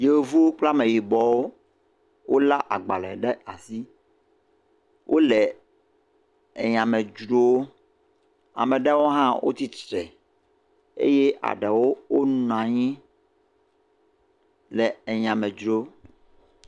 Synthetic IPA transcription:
je˨wo˨vu˦wo˦k͡pla˦mẽ˨ji˨bɔ˨wo˦ | wʔo˦la˦ʔa˨ɡ͡ba˨lɛ˨ɖɛ˦a˨si˦ | wʔo˦lɛ˨ | e˨ɲã˨mɛ̃˨d͡ʒɾo˦wo˦ | a̰˨mɛ̃˨ɖɛ˦wo˦ɦã˦wʔo̰˦t̪i˦tɾɛ˨ | ḛ˦je˦ʔa̰˨ɖɛ˨wo˦wo˦nũ˨ã˨ɲĩ˦ | lɛ˨e˨ɲã˨mɛ̃˨d͡ʒɾo˦o˦

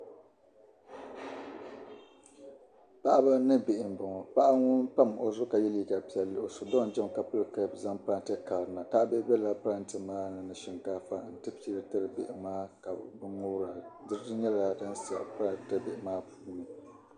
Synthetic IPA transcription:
pa˦ʔa˦ba˦nɨ˦be˨ʔɪ˨m˨bʊ˨ŋɔ˨pa˦ʔa˦ŋʊ˦npa˦˨mo˨zʊ˦ka˨jɛ˦li˨ka˨pi˦ɛ˨lːɨ˦ʔo˨so˨dɔ˦ŋ˨d͡ʒɛ˦m˨ka˨pɨ˦lɨ˨ka˦bza˦ŋpɨ˦ɾa˦ntɨ˦ka˨bɾɨ˨na˨ka˦ʔbɛ˦ʔbɛ˦la˦pɨ˦ɾa˦ntɨ˨maː˦nɨ˨nɨ˨ʃɛ˨ŋkaː˦fa˦˨n̩˨tɨ˦pi˦ɾɨ˦tɨ˦ɾɨ˨bɪ̰˨ʔɪ˨maː˦ka̰˨bɨ˦ŋʊ˦ɾa˨dɨ˦ɾdɨ˦ɲɛ˦la˨da˦nsa̰˨pɾa˦tɨ˦bɪ˨ʔɪ˨maː˦puː˦nɨ˨

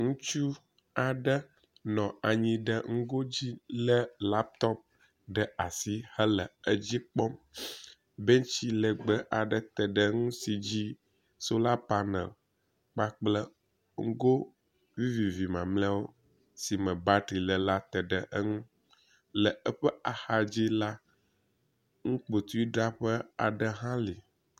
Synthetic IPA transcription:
ŋũ˦t͡ʃu˦ | a˨ɖə˦ | nɔ̃˨a˨ɲĩ˦ɖə˦ŋ̩˦ɡo˦d͡ʑi˦lə˦la˦p̚t̪ɔ˦p̚ | ɖə˦a˨si˦hə˦lə˨ə˦d͡ʑi˦k͡pɔ˦m | bɛ˦ɲt͡ɕi˦lə˨ɡ͡bə˦ʔa˨ɖə˨t̪ə˨ɖə˦ŋũ˦si˨d͡ʑi˦ | so˦la˦pa˦nə̰̃˨ | k͡pa˦k͡plə˦ | ŋ̩˦ɡo˦ | vi˦vi˨vi˨mã˨mla˦wo˦ | si˨mə̃˨ba˦ɖɾi˨lə˨la˦t̪ɛ˨ɖə˨ʔə˦ŋũ˦ | lə˨ə˦ɸə˦a˨xa˨d͡ʑi˦la˦ | ŋũ˦k͡po˨t̪u˦i˦ɖa˦ɸə˦a̰˨ɖə˦ɦã˦li˨

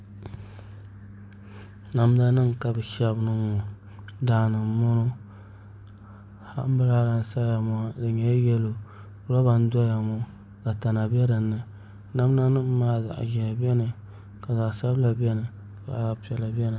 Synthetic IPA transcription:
na˨mda˦nɨ˦ŋka˨bɨ˨ʃɛ˦bnɨ˦ŋɔ˨ | daː˨nɨ˨mmʊ˦nʊ˦ | ha̰˦ʔbɨ˦la˦la˦n˦sa˦ja˨mɔ˦a˦dɨ˨ɲɛ˦jɛ˦lo˨˦ | ɾa˦ba˦n˦dɔ˦ja˨mɔ˦ | ka˨ta˨na˨bɛ˦ɾɨ˨nːɨ˦ | na˨m˦na˦nɨ˦m̩˦maː˦za̰˨ʔʒɛ˨ja˨bɛ˦nɨ˨ | ka˨za˨ʔsa˦bla˨bɛ˦nɨ˨ | ba̰˨a˨pɛ˨la˨bɛ˦nɨ˨

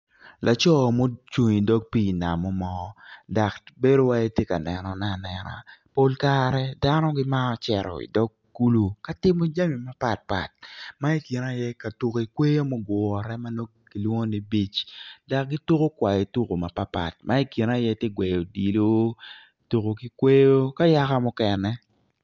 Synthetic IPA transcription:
lʔa˨t͡ʃɔ˦˨mo˦t͡ʃu˨ɲi˨dɔ˦ɡ̚piː˦˨na˨mɔ˦mɔ˦da˨kbe˦ɾo˦wa˦je˦tje˦ka˨nɛ˨nɔ˨na˦˨nɛ˨na̰˨po˦lkaɾɛ˦da˦nɔ˦ɡɪ˦ma˦ɔ˦t͡ʃɛ˨ɾɔ̰˨ḭ˨dɔ˦ɡ̚ɡu˦lu˦ka˦tɪ˦mo˦d͡ʒa˦mi˨ma˦pa˨t̚pa̰˨t̚ma˦i˦ki˨na˦˨jɛ˦ka˨tu˨ki˨kwe˦jo˦mo˦ɡɔ˨ɾɛ˦ma˦no˦ | ki˨lwŋo˦ni˦bi˦t͡ʃda˨k̚ɡi˦tu˦ko˦kwa˨je˨tu˦ko˨ma˨pa˦pa̰˨t̚mʔa˦i˦ki˨na˦jɛ˦tje˦ɡwe˨jo˨di˨lo˦ | tu˨ko˨ki˦kwe˦jo˦ka˦ja˦ka˦mʊ˦kɛ˨nɛ˦

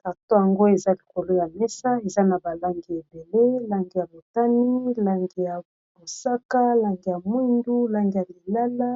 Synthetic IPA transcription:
ta˨to˦ja˨ŋɡo˦e˨za˦li˨ko˨lo˦ja˨mɛ˦sa˦e˨za˦na˨ba˨la˦ŋɡi˨e˨be˨le˦la˦ŋɡi˨ja˨bo˨ta˦ni˦la˦˨ŋɡi˨ja˨ | bo˨sa˦ka˦la˦ŋɡi˨ja˨mwndu˦la˦ŋɡi˨ja˨li˨la˦la˦

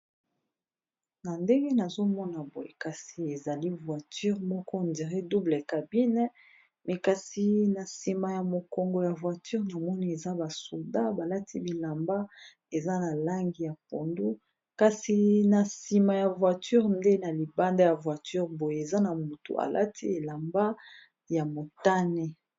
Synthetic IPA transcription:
na˨nde˦ŋɡe˦na˨zo˦mɔ˦na˨bo˨jḛ˨ka˨si˨e˨za˨li˦vwa˨ty˦ʁmɔ˦kɔ˦ndi˨ʁe˦du˦ble˨ka˨bi˦nɛ˦ | mɛ˨ka˨si˨na˨si˨ma˨ja˨mo˨kɔ˨ŋɡɔ˨ja˨vwa˨ty˦ʁna˨mɔ˦ni˦e˨za˦ba˨so˨da˦ba˨la˦tʰi˦bi˨la˨mba˦ | e˨za˦na˨la˦ŋɡi˨ja˨po˨ndu˦ | ka˨si˨na˨si˨ma˨ja˨vwa˨ty˦ʁnde˦na˨li˨ba˦nda˦ja˨vwa˨ty˦ʁbo˨je˨e˨za˦na˨mo˨to̰˨ʔa̰˨lʔa̰˦tʰi˦e˨la˨mba˦ | ja˨mo˨ta˦nɛ˦

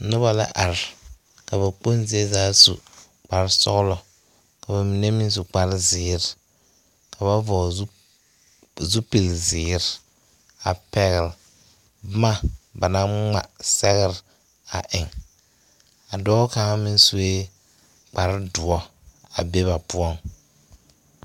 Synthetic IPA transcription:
nʊ˦ba˨la̰˦ʔa˨ɾɪ˨ | ka˨βa˨k͡po˦nzi˨˦e˦zaː˦sṵ˨ | k͡pa˨ɾsɔ̰˦ɣlɔ˨ | ka˨ba˨mi˨nɛ˦mɪ˦n˦s̬u˨k͡pa˨ɾɪ˦zɪː˨˦ɾɪ˨ | kʰa˨βa˦vɔ˨˦ | zu˦pi˨lzɪː˨˦ɾ | a˨pɛ˨ɣɪ˨l | bma˦ba˨na˦ŋŋ͡ma̰˨sɛ˦ɣɪ˦ɾ | a̰˨ʔɪ˨ŋ | a˨dɔː˦ka˨˦ŋa˦mɪ˦n˦su˦e˦ | k͡pa˨ɾɪ˦dʊ˨ɔ˦ | a̰˨be˦βa˨pʊ˦ɔ˦ŋ

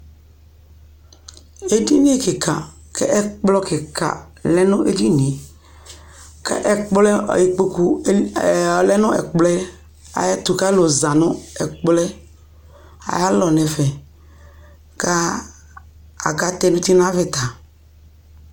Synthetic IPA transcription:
e˦di˦nĩ˦e˦ke˨ka˨ | kɛ̰˦ʔɛ˦k͡plɔ˦ke˨ka̰˨ | lɛ˦nʊ̃˦ʔe˦di˦nĩ˨ | kḛ˦ʔɛ˦k͡plɛ˦ɔ̰˨ji˨k͡po˦ku˦˨ | lɛ˦nʊ̃˦ɛ̰˨k͡plɛ˦ | a̰˨ja˦t̪u˨ka˦lo˨za˨nʊ̃˦ɛ˨k͡plɛ˦ | a̰˨ja˦lɔ˨nɛ˨fɛ˨ | ka˦ | a̰˨ɡa˦t̪ɛ˦mĩ˦t̪i˦nã˦ve˦t̪a˨

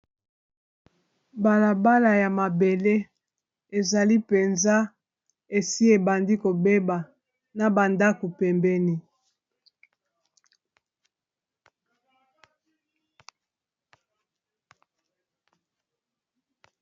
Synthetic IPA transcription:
ba˨la˨ba˦la˨ja˨ma˨be˨le˦ | e˨za˨li˦pe˨nza˦ | e˨si˦e˨ba˨ndi˦ko˨be˦ba˨ | na˨ba˨nda˦ko˨pɛ˨mbɛ˦ni˦

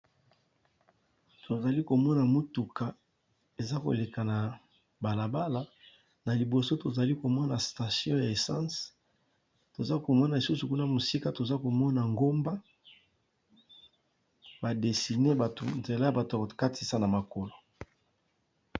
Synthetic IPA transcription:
tʰo˨za˨li˦ko˨mɔ˦na˨mu˦tu˨ka˨ | e˨za˦ko̰˨le˨ka˨na˨ | ba˨la˨ba˦la˦ | na˨li˨bo˨so˦to˨za˨li˦ko˨mɔ˦na˨sta˨sjɔ̃˦ja˨e˨sã˦s | to˨za˦ko˨mɔ˦na˨e˨su˦su˨ku˦na˦mo˨si˦ka˦to˨za˦ko˨mɔ˦na˨ŋɡo˦mba˦ | ba˨de˨si˨ne˦ba˨tṵ˨nze˨la˦˨ba˨tka˦tʰi˦sa˦na˨ma˨ko˨lo˨

